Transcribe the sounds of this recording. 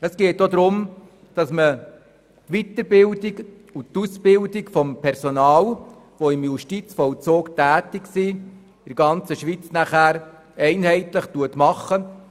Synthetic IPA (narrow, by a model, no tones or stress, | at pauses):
əsɡ̥eːtːod̪ɾʊm | d̥ɑsmə | tʋitəɾbɪldɪɡ | ut̪usb̥ɪldɪkfɔmpʰɛɾsɔnɑːl | ʋoɪmjuʃtit͡sfɔlt͡soːktæːtɪksi | ɪɾɡɑnt͡səʃʋiːt͡snæχæːɾ | ɛɪnɦɛɪtləχtuətmɑχə